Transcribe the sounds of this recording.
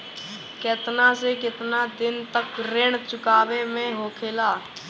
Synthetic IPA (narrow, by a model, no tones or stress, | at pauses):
ket̪nasekɪt̪nad̪ɪnt̪əkɾeɽ̃t͡ʃʊkaːʋemẽɦoːkʰeːlaː